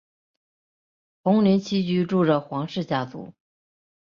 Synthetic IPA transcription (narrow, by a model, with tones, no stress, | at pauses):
xʊ˧˥ŋlɛ˧˥nt͡ɕʰi˥t͡ɕy˧˥ʈ͡ʂu˥˩ʈ͡ʂə˩xwɑ˧˥ŋʂɻ̩˥˩t͡ɕja˥˩t͡sṵ˧˩˦